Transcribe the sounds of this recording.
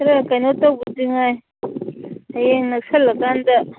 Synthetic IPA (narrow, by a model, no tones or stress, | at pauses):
ɾakanot̪obud̪iŋa | ajeŋnaksalakand̪a